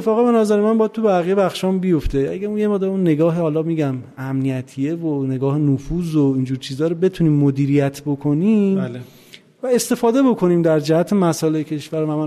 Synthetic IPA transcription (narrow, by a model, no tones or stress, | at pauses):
fɒːɣebe̞nɒːzæɾemænbɒjæd̪̚t̪ʰubæɣije̞bæxʃɒːmbijo̞ft̪eæ̰ɟæunjemeʁd̪eunːe̞ɡɒːɦehɒːlɒːmiːɟæm | æmnijæt̪ʰijevone̞ɡɒːhenofuːzoiːnd͡ʒuːɾt͡ʃʰiːzɒːɾobe̞t̪ʰuniːmːod̪iːɾijæt̪ʰbo̞kʰo̞niːm | væe̞st̪e̞fɒːd̪e̞bo̞kʰo̞niːmd̪æɾd͡ʒæhæt̪ʰe̞mæsɒːlecʰe̞ʃvæɾvæmæ